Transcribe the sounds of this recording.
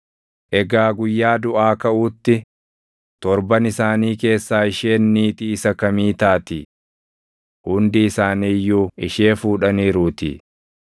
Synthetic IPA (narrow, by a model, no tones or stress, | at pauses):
ʔɛɡaːɡʊjːaːd̪ʊʔaːkɐʔuːt̪ːɪ | t̪ɔɾbɐnɪsaːniːke̞ːsːaːɪʃeːnːiːt̪iːsɐkɐmiːt̪aːt̪ɪ | hʊnd̪ɪːsaːniːjːuːɪʃeːfuːᶑɐniːɾuːt̪ɪ̰